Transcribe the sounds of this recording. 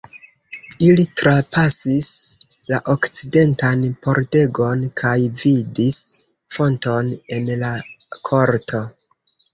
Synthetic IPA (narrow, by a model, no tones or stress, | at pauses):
ilitɾapasis | laʔo̞kt͡side̞ntanpo̞ɾte̞ɡo̞nkʰajvidis | fo̞nto̞ne̞nlakʰo̞ɾtʰo̞